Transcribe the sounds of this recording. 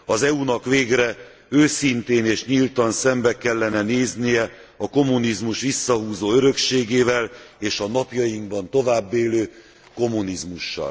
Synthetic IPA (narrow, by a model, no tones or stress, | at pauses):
ɒzɛunɒkʋeːɡrɛ | øːsint̪eːneːʃɲilt̪ɒnsɛmbɛkɛlːɛnɛneːznijɛɒko̞mːunizmuʃʋisːɒɦuːzoːøɾø̞kʃeːɡeːvɛleːʃɒnɒpjɒjiŋɡbɒnt̪o̞vaːbːeːløː | ko̞mːunizmuʃːɒ̰l